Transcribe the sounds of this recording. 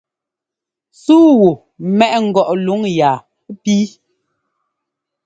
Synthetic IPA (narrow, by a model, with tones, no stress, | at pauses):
suː˦wu˨ | mɛ˦ʔŋ̩˨ɡɔ˨ʔlu˨˦ŋjaː˨˦ | pi˦